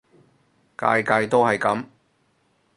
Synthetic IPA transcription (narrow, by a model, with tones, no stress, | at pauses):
ka̰ː˧jkaː˧jt̪o˥hɐ˨jkɐ˨˥m